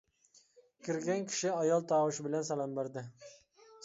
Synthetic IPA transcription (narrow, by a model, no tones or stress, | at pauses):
kʲʰɪɾɡʲankʲʰɪ̥ʃɪajɒlˠt̪ʰɑːwɪʃbɪlansalambeɾd̪ɪ